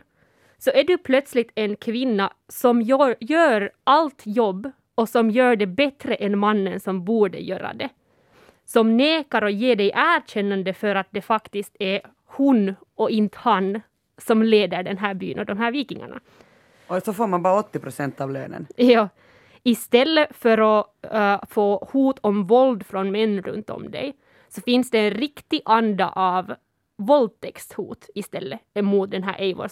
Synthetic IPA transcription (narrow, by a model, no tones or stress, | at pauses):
sɔʔæɖʉpʰlœt̪slɪt̪ɛnkʰʋɪnːa | sɔmjːjøːɾʔalt̪jɔbː | ɔsɔmjøːɖɛbɛt̪ɾəʔɛnmanːənsɔmbuːɖə̰jø̰ːɾa̰d̪ɛ | sɔmneːkaɾɔjeːɖɛɪʔæːɾɕɛnːɑnd̪əfœɾat̪̚d̪ɛfakt̪ɪskt̪æɾ | hʉnɔɪnt̪hɑn | sɔmleːd̪əɖɛnɦæːɾby̰ːənɔd̪ɔmɦæːɾviːkɪŋa̰ɳa̰ | ɔsɔfoːɾmanbɑːɾaɔt̪ːɪpɾʊsɛnt̪ɑʋlø̰ːnə̰njɑː | ɪst̪ɛlːəfœɾɔ | foːhuːt̪ʰɔmvɔld̪fɾɔnmɛnːɾɵ̰nt̪ɔ̰md̪ɛ̰j | sɔfɪnsd̪ɛːnɾɪkt̪ɪʔɑnd̪ɑ̰ʔɑv | vɔld̪̚t̪ʰɛkst̪hṵːt̪ɪst̪ɛlːəɛmuːt̪̚d̪ɛnɦæ̰ːɾʔɛɪvo̰ː